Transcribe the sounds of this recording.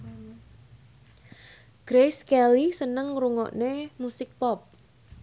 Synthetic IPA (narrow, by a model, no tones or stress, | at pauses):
ɡ̥ɾeskɛlisənəŋɾuŋɔ̰ʔnemusɪk̚pɔp̚